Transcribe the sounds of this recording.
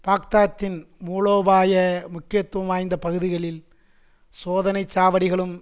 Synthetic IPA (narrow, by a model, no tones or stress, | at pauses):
paːk̚t̪aːt̪ːɪnmuːloːbaːjɐmʊkːɪjɐt̪ːʋɐmaːjnd̪ɐpɐɣɯðɪɣɐɭɪl | soːðɐnɐɪt͡ʃːaːʋɐɽɪɣɐɭɯm